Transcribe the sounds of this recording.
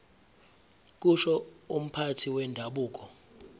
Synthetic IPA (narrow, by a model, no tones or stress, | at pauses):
k̬uʃɔum̩pʰatʰiwɛndʱaɓuːk̬ʼɔ